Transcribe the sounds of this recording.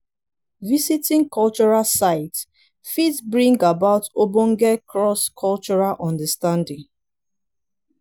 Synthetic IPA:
visitĩŋkʰɔlt͡ʃɔɹalsaɪt | fitbɹĩŋɡabaʊtobɔ̃ŋɡɛkʰɹɔskʰɔlt͡ʃɔɹalʔɔ̃ndəstãndĩŋ

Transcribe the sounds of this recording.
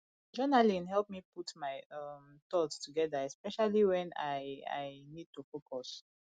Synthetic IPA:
d͡ʒɔnalĩnɦɛlˠp̚miputmaɪam | t̪ɔtstuɡɛðaɛspɛʃaliwɛ̃na̰ɪa̰ɪnid̚tufokʰɔs

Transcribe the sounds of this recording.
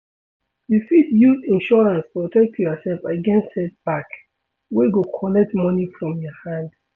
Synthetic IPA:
jufidjuzĩnʃɔɹãnspɔtɛk̚tʰjɔsɛlfaɡɛ̃nstɛt̚b̥ak | weɡokʰɔnɛk̚tmɔnifɹɔ̃mjɔhãnd

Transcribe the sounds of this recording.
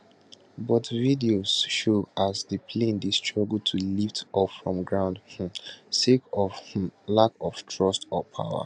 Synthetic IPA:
bɔtvidioz̥ʃoasdəpʰlẽndistʰɹɔɡəltʰuliftɔffɹɔ̰̃mɡɹãʊ̃ndh̩sekɔfh̩lakɔftʰɹɔstɔpʰa̰ʊə̰

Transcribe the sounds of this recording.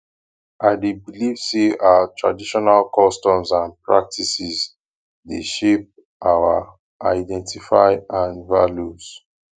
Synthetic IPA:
aɪdebiliv̥seaatɹa̰diʃɔnalkɔstɔ̃mzãnpɹa̰k̚tʰisiz | deʃep̚ | ʔawa | ʔaɪdɛ̃ntifaɪãnvaljus

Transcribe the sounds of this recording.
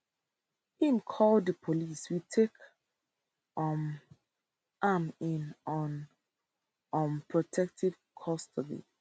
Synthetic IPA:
hĩmkʰɔldðəpʰoliswitʰek | m | ʔamĩnɔn | ɔ̃mpʰɹɔtʰɛk̚tʰiv̥ | kʰɔstɔbḭ

